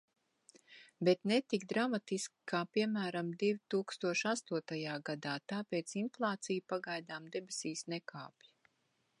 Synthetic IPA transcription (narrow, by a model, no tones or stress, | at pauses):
bɛt̪nɛt̪ikd̪ɾamat̪iskʲi̥kaːpiɛmæːɾamd̪ivit̪uːkst̪uɔʃast̪uɔt̪ajaːɡad̪aːt̪aːpeːt̪sinflˠaːt̪sijupaɡajd̪aːmd̪ebisiːsnɛka̰ːpʲji